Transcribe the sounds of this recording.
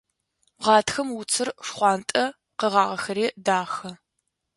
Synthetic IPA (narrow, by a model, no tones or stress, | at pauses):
ʁɑːtʰxɐmwʊt͡sʰɨrʂχʷɑːntʼɐ | qəʁɑːʁɐxɐɾeːdaːxɐ